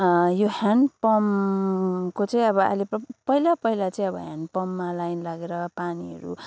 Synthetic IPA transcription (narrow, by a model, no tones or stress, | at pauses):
joɦanpʌm | kot͡sʌ̃ĩʌbʌa̰jlepʌpʌɦilapʌɦilat͡sʌĩʌbʌɦanpʌmːalajnlaɡeɾʌpaniɦʌ̰ɾṵ